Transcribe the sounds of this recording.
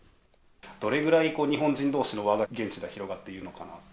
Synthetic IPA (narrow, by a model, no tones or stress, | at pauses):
d̪̥o̞ɾe̞ɡɯ̟ɾaiko̞ːɲ̟iɦõ̞ɲ̟d͡ʑĩnd̪o̞ːɕino̞βaɡaɡẽ̞ɲ̟t͡ɕid̪eçiɾo̞ɡat̪ːe̞iɾɯ̟no̞kana̰